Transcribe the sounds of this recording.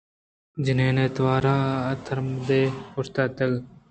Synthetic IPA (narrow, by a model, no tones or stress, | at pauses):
d͡ʒɪneːneːt̪ʋaːɾaːət̪ʰəɾmd̪eːʊɾt̪aːt̪əɡ